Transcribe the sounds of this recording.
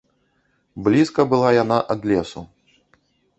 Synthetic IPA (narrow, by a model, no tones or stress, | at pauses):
blʲiskɐbɨlˠajanaʔɐd̪lʲɛsu